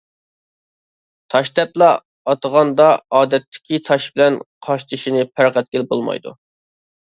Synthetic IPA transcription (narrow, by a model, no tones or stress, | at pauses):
t̪ʰɑʃt̪ɛplˠɑ | ɑt̪əʁɑnd̪ɑɑːd̪ɛt̪ʰːɪ̥kʲit̪ʰɑʃbɪlɛnqʰɑʃt̪ʰɨʃinɪpʰæɾqɛt̪̚ɡʲɪlbolˠmɑ̰jd̪ṵ